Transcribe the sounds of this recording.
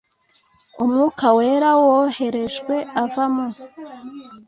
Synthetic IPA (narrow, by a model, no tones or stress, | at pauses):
umŋuːkawe̞ːɾawohe̞ɾe̞ʒɡwe̞ʔavamo